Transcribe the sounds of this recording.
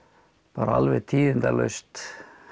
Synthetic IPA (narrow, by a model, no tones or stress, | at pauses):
paːɾaa̰lvɛt̪ʰiːðɪnt̪a̰lœ̰st̪